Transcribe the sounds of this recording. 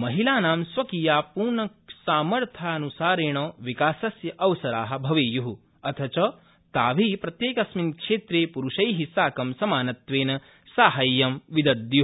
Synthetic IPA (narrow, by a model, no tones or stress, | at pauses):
mɐɦilaːnaːmsʋɐkiːjaːpuːɾɳɐ | saːmɐɾt̪ʰaːɐnusaːɾeːɳ̃ɐːʋikaːsɐsjɐʔɐʋsɐɾaːɦɐ̆bʱɐʋeːjuɦu | ɐt̪ʰɐt͡ʃɐ | t̪aːʋiːpɾɐt̪jeːkɐsminkʂeːt̪ɾeːpuɾuʃɐjɦisaːkɐmsɐmaːnɐt̪ʋeːnɐ | saːɦɐjːɐmʋid̪ɐd̪ju